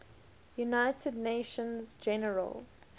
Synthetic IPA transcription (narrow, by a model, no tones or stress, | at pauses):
junaɪtʰədneɪʃə̃nzd͡ʒɛnəɹə̰lˠ